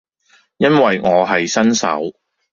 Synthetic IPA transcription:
jɐ˥nwɐ˨jŋɔː˨˧ɦɐ˨jsɐ˥nsɐ̰˨˥w

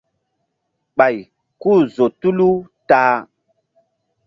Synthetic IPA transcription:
ɓa˨j | ku˦˨zo˨tu˦lu˦ | taː˦

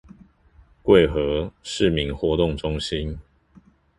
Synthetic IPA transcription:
kwe˥˨ɪxɤ˨˦ʂɻ̩˥˨mi˨˦ŋxwɔ˨˥˦t̪ʊ˥˨ŋʈ͡ʂʊ˦ŋɕi˦n

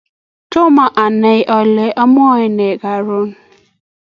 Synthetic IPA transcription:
to˦ma˨ʔa˨ne˦ʔɔ˨le˦ʔɔ˦m˦ɔ˦ɲɪ˦ne˨ɡa˨ɾʊ˦n̩˦

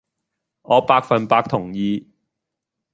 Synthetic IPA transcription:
ʔɔː˨˧paː˧k̚fɐ˨npaː˧k̚t̪ʰʊ˨˩ŋjiː˨˧

